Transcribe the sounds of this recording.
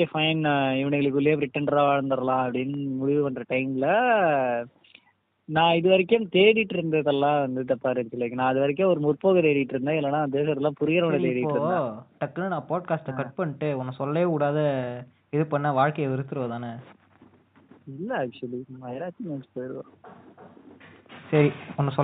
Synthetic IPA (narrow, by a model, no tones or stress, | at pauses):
efɐɪnaɪʋɐɳɐɣɐɭɯk̬ːɯlːɪjeːbɾɪʈːɐnɖɾaːaːɻɐnd̪ɐɾɐlãːɐpːɐɽɪnːɯmʊɽɪʋɯpɐnːɾɐʈɐɪmɪlɐ | nãːɪðɯʋɐɾɪkːʊmt̪eːɽɪʈːɾɯnd̪ɐðɐlːãːʋɐnd̪ɯʈ̪ɐpːaːɾɪðɯkːɪlːɐkːɯnãːɐðɯʋɐɾɪk̬ːɐ̃ɔɾɯmʊɾpoːɣɐt̪eːɽɪɪʈːɪɾɯnd̪ãːɪlːɐnaːd̪eːsɐɾɐlːãːpʊɾɪɣɪɾɐʋɐnɐt̪eːɽɪpːoːɾɯʈɐkːɐnɯnãːpaːʈ̚kaːsʈɐkɐʈ̚pɐɳːɪʈːɯɔnːɐsɔlːɐeːʊɽaːðɐ | ɪðɯpɐɳːaʋaːɻkɐjɐʋɪɾɯt̪ːɯɾɯʋɐt̪aːnɐ | ɪlːɐaːk̚t͡ʃʊɐlimɐjɾaːt͡ʃːinɐnspojɪɾʋa | sɐɾiɔnːɐsɔ